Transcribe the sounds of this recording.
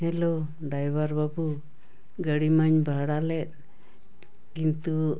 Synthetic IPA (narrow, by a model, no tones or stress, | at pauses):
hɛlo | ɖajbaɾbabu | ɡəɽimaɲbaɦɽalɛt̪̚ | kint̪u